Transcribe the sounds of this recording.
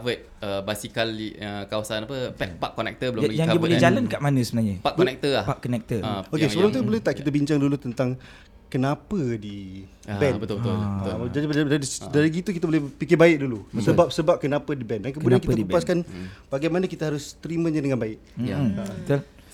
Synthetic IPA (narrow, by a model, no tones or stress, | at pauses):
avət̚ | əbasikaliəkawasanapəɛpaʔkːɔnɛ̰k̚t̪əbəlʊmlaɡijaŋaibolɛd͡ʒalankaʔmanə̃səbənaɲəpaʔkɔnɛk̚t̪əlapakːɔnɛk̚t̪əaokesəbɾaŋt̪ubəlɛt̪aʔkit̪əbiɲt͡ʃaŋdulut̪ənt̪aŋ | kənapədi | bɛnbət̪ʊlbət̪ʊlbət̪d͡ʒadiaisdaɾiɡit̪uk̬it̪əbolɛhpikɪbaɪʔ̚dulusəbap̚səbap̚kənapədibɛndankəmudiaankit̪əkupaskanb̥aɡajmanəkit̪aɦaɾʊst̪əɾimə̃ɲadəŋanbaɪʔ̚aabət̪ul